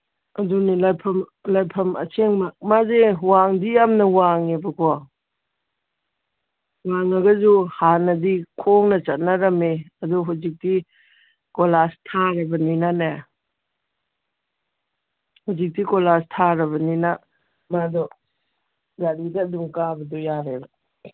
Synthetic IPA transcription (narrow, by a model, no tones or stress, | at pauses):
ɐdunilajpʰɐmlajpʰɐmɐ̰seŋmamazewaŋdijamnɐwaŋebɐkʰɔ | waŋɐɡɐzuhanɐdikʰɔŋnɐt͡ʃɐt̚naɾɐmeɐduɦuzik̚di | kɔlastʰaɾɐbɐninana | huzik̚dikɔlastʰaɾɐbɐnina | madɔ | ɡaɾidɐduŋkabɐdɔjaɾebɔ